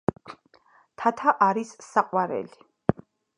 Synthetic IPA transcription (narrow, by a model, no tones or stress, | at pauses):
t̪ʰat̪ʰaʔaɾisːaqʼwaɾɛ̰li̥